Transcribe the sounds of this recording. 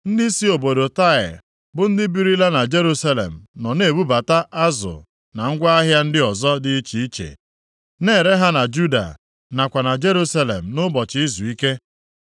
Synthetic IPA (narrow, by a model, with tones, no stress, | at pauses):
n̩˦dɪ˦si˦o˨bo˨do˨ta˦ɪ̰˨ | bʊ˦n̩˦dɪ˦bi˦ɾi˦la˦na˨d͡ʒe˦ɾu˦sa˦lḛ˨m̩˨nɔ˨ne˨˦˨bu˦ba˨ta˦ʔa˦zʊ̰˨ | na˨ŋ̩˦ɡʷa˦a˦ɦja˦n̩˦dɪ˦ɔ˨zɔ˦dɪ˦i˦t͡ʃi˨i˦t͡ʃḛ˨ | neː˦˨ɾe˦ɦa˦na˨d͡ʒu˦da̰˨ | na˨kʷa˨na˨d͡ʒe˦ɾu˦sa˦lḛ˨m̩˨nʊ˦bɔ˨t͡ʃɪ˨i˦zu˨i˦ke˦